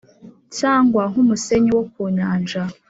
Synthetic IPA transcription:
caːŋɡwaŋumuseɲiwok̚uɲaːnʒa

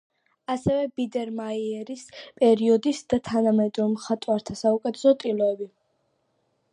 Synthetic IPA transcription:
asɛvɛbid̪ɛɾmaiɛɾispʼɛɾiɔd̪isd̪at̪ʰanamɛd̪ɾɔmχat̪ʼwaɾt̪ʰasaukʼɛt̪ʰɛ̥sɔt̪ʼilɔɛbi

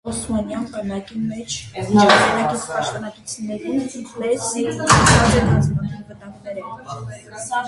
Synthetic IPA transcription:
ɔsmɑnjɑnbɑnɑkimɛt͡ʃʰʃɑmɑnɑkit͡sʰpɑʃt̪ɔnɑt̪ut͡sʰjunːɛɾilɛsiɑʒɛnɑnt͡smɑnɑnvət̪ɑŋɡnɛɾɛ

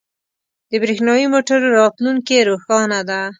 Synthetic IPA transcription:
d̪əbɾexnɑjimoʈaɾːɑt̪luŋkeɾoxɑnad̪a

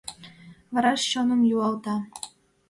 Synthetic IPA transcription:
vɑɾɑʃɕonə̆mjuɑlˠt̪ɑ

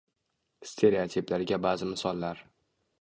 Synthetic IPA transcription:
st̪ʰe̞ɾeot̪ʰiplaɾɪɡʲabaːzɪmɪsɒlˠːaɾ

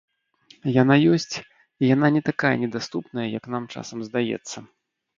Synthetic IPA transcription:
jan̪ajɔsʲt͡sʲ | ijan̪anʲɛt̪akajɐ̰nʲɛd̪ast̪upnɐjɐjɐknamt͡ʂa̰sɐmzd̪ajɛ̰t̪sːɐ

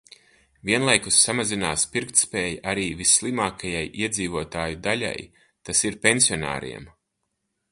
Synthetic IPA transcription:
viɛnlˠajkusːamazinaːspiɾk̚t̪spɛːjaʔaɾiːvisːlˠimaːkʰajajʔiɛd̪ziːvuɔt̪aːjud̪aʎa̰j | t̪asiɾpensiɔna̰ːɾḭɛm

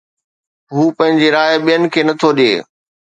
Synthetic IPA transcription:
ɦuːpɐ̃ɦɪ̃ɲd͡ʑeɾaːɓijənɪ̆kʰeːnɐt̪ʰoɗḛː

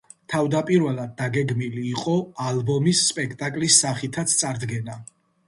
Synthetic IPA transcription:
t̪ʰavd̪apʼiɾvɛlˠad̪̚ːaɡɛɡmiliːqʼɔalˠbɔmisːpʼɛkʰt̪ʼakʼlisːaχit̪ʰat̪sʰt̪sʼaɾd̪ɡɛna

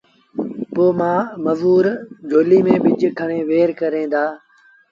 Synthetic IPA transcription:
poːmãːməʋuːɾd͡ʒʱoːliːmẽːɓɪd͡ʒkʰəɳ̃ẽːʋeːɾkəɾẽːd̪aː

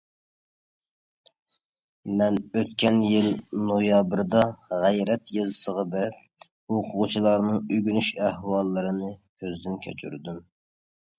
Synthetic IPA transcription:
mɛnøt̪kʲʰɛnjilnojɑbɾd̪ɑʁɛjɾɛt̪jɑzɨsəʁɑbɛɾɪp̚ | oqʰʊʁʊt͡ʃʰilˠɑɾnɨŋyɡʲynyʃæhwɑlˠːɨɾɨnɨkʲʰøzd̪ɪnkʲʰø̰t͡ʃʰy̰ɾd̪ym

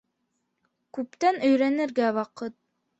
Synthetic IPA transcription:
kʉp̚t̪ænɵ̆jɾænɘ̆ɾɡæwɑqɤt̪̚

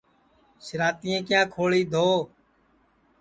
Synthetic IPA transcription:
ʃɾaːt̪iːẽːkɪjãːkʰoːɭiːd̪ʱoː

